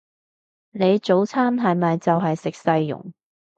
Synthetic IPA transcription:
ne˨˧jt͡so˨˥wt͡sʰaː˥mɦɐ˨jmɐ˨jt͡sɐ˨wɦɐ˨jsɪ˨k̚sɐ˧jːʊ̰˨˩ŋ

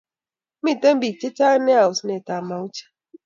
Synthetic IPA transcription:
mĩ˦˨tɛ˦m˦bi˨t͡ʃe˦t͡ʃa˦nɛ˦a˨u˨snɛ˨ta˨ma˨u˦t͡ʃḁ˦

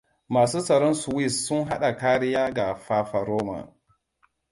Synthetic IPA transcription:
maː˨suː˦sɐ˨ɾɔ˦nsu˨wi˦˨sːʊ˦nɦa˦ɗa˨kaː˦ɾɪ˦jaː˦ɡa˨ɸa˦fa˨ɾoː˦ma̰˨

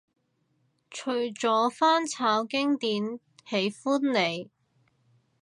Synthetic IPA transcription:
t͡ʃʰɵ˨˩ɥt͡sɔː˨˥faː˥nt͡sʰaː˨˧˥wkɪ˥ŋt̪iː˨˧˥n | he˨˥jfuː˥nle˨˧j

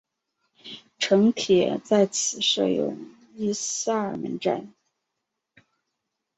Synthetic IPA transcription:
ʈ͡ʂʰɤ˧˥ŋt̪ʰjɛ̰˨˩˦t͡sa˥˩ɪt͡sʰɹ̩˨˩ʂɤ̰˥˩jʊ̰˥˩ŋ | i˥sa˥˩ə˞˨˩mə̰˧˥nʈ͡ʂa̰˥˩n

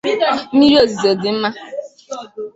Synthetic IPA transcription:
i˦ɾi˦o˨zi˨ze˨dɪ˨m̩˦ma˦

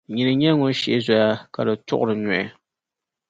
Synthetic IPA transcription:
ɲi˨nɨ˨ɲɛ˦ŋo˦ʃi˦˨ɪ˦za˦ja˦ka˨dɨ˨tʊ̰˦ʔʊ˦ɾɨ˨nɔ˨ɪ˨

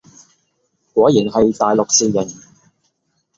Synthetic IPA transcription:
kwɔː˨˥jiː˨˩nhɐ˨jt̪aː˨jlʊ˨k̚siː˨jɪ˨˩n

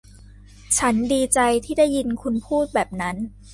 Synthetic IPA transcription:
t͡ɕʰa˦˥ndiː˧t͡ɕa˧jt̪ʰiː˥˩da˥˩jːi˧nkʰu˧npʰuː˥˩t̪̚bɛː˨˩p̚na˦˥n

